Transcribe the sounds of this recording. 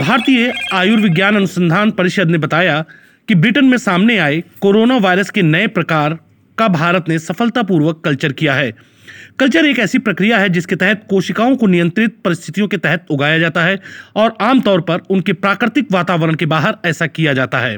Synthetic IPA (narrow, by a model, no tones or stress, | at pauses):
bʱaːɾt̪ijəaːjʊɾʋɪɡjaːnɐnʊsə̃nd̪ʱaːnpɐɾɪʃəd̪nebɐt̪aːja | kibɾɪʈənmẽsaːmneaːekoːɾoːnaʋaːɪɾəskenɐepɾɐkaːɾ | kabʱaːɾət̪nesɐfəlt̪ap̬uːɾʋəkːɐlt͡ʃəɾkijaɦɛː | kɐlt͡ʃəɾeːkɛːsipɾɐkɾijaɦɛd͡ʒɪsket̪ɛɦɛt̪koːʃɪkaːõkonɪjə̃nt̪ɾɪt̪̚pɐɾɪst̪ʰɪ̥t̪ijõket̪ɛɦɛt̪̚ʊɡaːjad͡ʒaːt̪aɦɛɔːɾaːmt̪ɔːɾpɐɾʊnkepɾaːkɾɪt̪ɪkʋaːt̪aːʋəɾəɽ̃kebaːɦəɾɛːsakijad͡ʒaːt̪aɦɛ̰ː